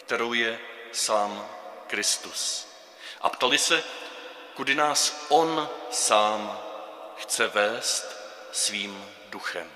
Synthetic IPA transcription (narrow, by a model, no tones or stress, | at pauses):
kt̪ɛɾo̞wjɛsaːmkɾɪst̪us | ʔa̰pt̪alɪsɛ | kudɪnaːsʔo̞nsaːm | xt͡sɛvɛːst̪ | sviːm | duxɛ̰m